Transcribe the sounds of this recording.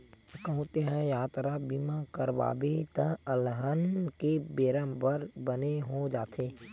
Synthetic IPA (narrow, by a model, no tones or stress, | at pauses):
kəɦũt̪eɦɛ̃jaːt̪ɾabimakəɾba̰ːbet̪ə̃əlɦənkebeːɾə̃mbəɾbəneɦod͡ʒaːt̪ʰeː